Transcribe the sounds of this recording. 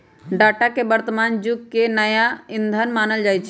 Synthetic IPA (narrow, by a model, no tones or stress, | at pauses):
ɖaːʈakeʋəɾt̪əmaːnd͡ʒʊɡkenəjaɪ̃nd̪ʱənmaːnəld͡ʒaːjt͡ʃʰe